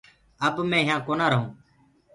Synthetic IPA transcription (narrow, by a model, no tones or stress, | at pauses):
əbmẽːɦɪjãːkoːnaːɾəɦõː